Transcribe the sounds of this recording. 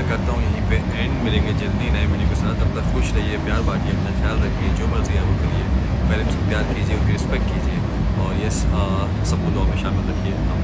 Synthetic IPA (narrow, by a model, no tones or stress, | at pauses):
kɐɾt̪aɦũjɐɦĩpe | ɛ̃ːɳɖmɪlẽːŋɡed͡ʒɐld̪inɐɦĩmɪnĩpesɐɾat̪ɐb̚t̪ɐɾxʊʃɾɐɦiepjaːɾbaːkieɐpnaxʰjaːlɾɐkʰied͡ʒoːmɐɾziaɛɡokeliepɛːlenspjaːɾkiːd͡ʒieʊkeɾɪspɛk̚ʈ̚kiːd͡ʒie | ɔːɾje | sɐb̚kod̪oamẽʃaːmɪlɾɐkʰieːɐ